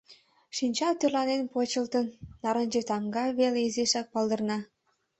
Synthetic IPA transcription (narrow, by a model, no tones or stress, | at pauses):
ʃinʲt͡ɕɑlt̪ørlɑnenpot͡ɕəlt̪ənːɑɾənʲd͡ʒet̪ɑŋɡɑβeleizeʃæk̚pɑlˠd̪ə̆rnɑ